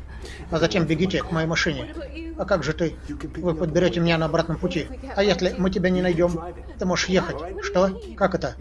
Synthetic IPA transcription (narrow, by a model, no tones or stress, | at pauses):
ɐzɐtʲe̞mbʲɪɡʲitʲɪkmɐjejmɐʂɨnʲɪɐkaɡʐɨt̪ɨ | vɨpəd̪̚bʲɪɾʲotʲɪmʲɪnʲanəɐbɾat̪nəmpʊtʲiɐjesʲlʲɪmɨt̬ʲɪbʲanʲɪnɐjdʲo̞m | t̪ɨmo̞ʐɨʂjexətʲʂt̪o | kakɛt̪ə